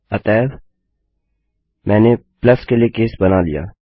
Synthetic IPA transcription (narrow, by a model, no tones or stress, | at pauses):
ɐt̪ɛːʋ | mʔɛ̃ːnepləskelijekeːsbɐnalḭja̰ː